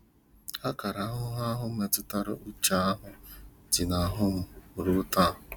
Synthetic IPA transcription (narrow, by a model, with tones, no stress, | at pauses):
a˦ka˨ɾa˨˦ɦʊ˦ɦa˦ɦʊ˦m̩˦e˨tʊ˦ta˦ɾʊ̰˦ʔʊ˦t͡ʃa˦a˦ɦʊ˦tɪ˨na˨ɦʊ˦m̩˦˨ɾʊ˦ta˦˨